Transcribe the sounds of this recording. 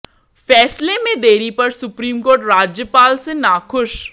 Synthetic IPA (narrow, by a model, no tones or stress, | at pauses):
fɛːslemẽd̪eːɾipɐɾsʊpɾiːmkoːɾʈɾaːd͡ʒjəpaːlsenaːkʰʊʃ